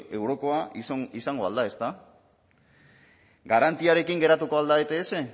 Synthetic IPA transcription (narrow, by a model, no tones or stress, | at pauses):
e̞wɾo̞ko̞asisaŋɡo̞a̰ld̪ae̞st̪a | ɡaɾant̪iaɾe̞kiŋɡe̞ɾat̪uko̞ald̪aet̪eːse̞